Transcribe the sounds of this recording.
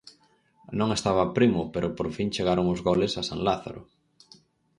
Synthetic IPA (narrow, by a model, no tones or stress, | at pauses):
nõŋest̪aβ̞ɐpɾimʊpeɾʊpoɾfiŋt͡ʃeɣaɾʊŋʊzɣolesasaŋlaθa̰ɾʊ̰